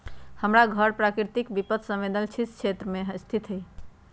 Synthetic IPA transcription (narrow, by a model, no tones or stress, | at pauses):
həmɾaɡʱəɾpɾakɾiɾt̪ikbipət̪sə̃med̪əlt͡ʃʰiskʰt͡ʃʰet̪ɾəmeɦəst̪ʰit̪ɦəj